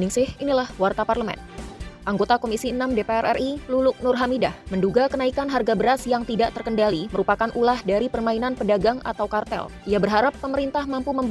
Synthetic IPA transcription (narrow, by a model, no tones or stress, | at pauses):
nɪŋsɪhinilahwart̪aparləmɛ̰nʔaŋɡot̪akomisiənamdepeɛrʔɛ̰rʔilulʊk̚nʊrɦamidahmənduɡakənaikanɦarɡabəɾasjaŋt̪idaʔt̪ərkəndaliməɾupakanʔulahdaɾipərmainanpədaɡaŋa̰t̪awkart̪ɛ̰lʔijabərɦaɾapːəməɾint̪ahmampuməmb